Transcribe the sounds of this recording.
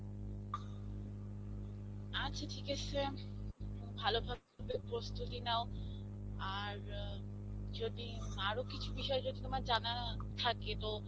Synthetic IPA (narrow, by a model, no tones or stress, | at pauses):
at͡ɕʰatʰikat͡ɕʰe | bʱalobʱab̚koɾbepɾost̪ut̪inao | a | ɾ | d͡ʑod̪i | aɾokit͡ɕʰubiʃɔed͡ʑod̪it̪omaɾd͡ʑana | t̪ʰaket̪o